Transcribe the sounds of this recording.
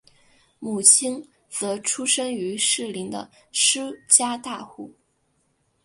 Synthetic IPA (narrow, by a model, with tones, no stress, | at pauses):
mu˨˩t͡ɕʰi˥n | t͡sɤ˧˥ʈ͡ʂʰu˥ʂɤ˥ŋy˧˥ʂɻ̩˥˩li˧˥ŋd̪ə̰˧ | ʂɻ̩˥t͡ɕja˥t̪a˥˧xu˥˩